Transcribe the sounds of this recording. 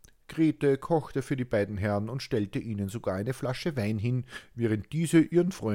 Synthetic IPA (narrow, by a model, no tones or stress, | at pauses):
ɡ̥ʁeːtəkʰɔxtəfyːɐdiːbaɪdn̩ɦɛʁənʊntʃtɛltəʔiːnənzoɡaːɐaɪnəflaʃəvaɪnɦɪnvɛːʁ̞ənt̚d̥iːzəʔiːʁənfʁ̥ɔʏ